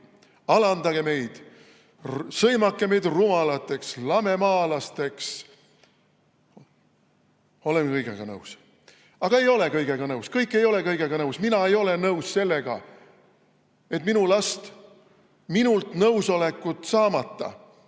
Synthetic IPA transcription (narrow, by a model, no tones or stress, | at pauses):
ɑlɑnd̪ɑɡ̥e̞me̞jd̪̥ | sɤjmɑkːe̞me̞jd̪rumɑlɑt̪ːˑe̞kslɑme̞mɑːlɑst̪e̞ks | o̞lenkɤjɡ̥ḛɡ̥ɑ̰nɤws | ɑɡ̥ɑe̞jo̞le̞kɤjɡ̥e̞ɡ̥ɑnɤwskɤjkːˑe̞jo̞le̞kɤjɡ̥e̞ɡ̥ɑnɤwsminɑe̞jo̞le̞nɤwsse̞lːe̞ɡ̥ɑ̰ | e̞t̪ːˑminulɑst̪ | minult̪nɤwso̞le̞kːˑut̪sɑːmɑt̪ːɑ̰